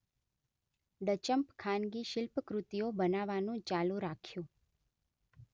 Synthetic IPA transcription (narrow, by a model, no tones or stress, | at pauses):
ɖət͡ʃəmpkʰanɡiʃɪlpəkɾut̪iobənaʋanũt͡ʃalũɾakʰjũ